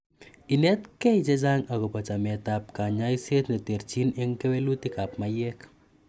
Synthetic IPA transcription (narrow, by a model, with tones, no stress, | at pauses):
i˨nɛtkɛ˦jt͡ʃe˦d͡ʒaŋa˨kɔ˨pa˨t͡ʃa˨mɛtap̚kaɲa˦jse˦t̪ne˨te˨ɾt͡ʃinɪ˦ŋke˦welu˦ti˦ka˨p̚majɛk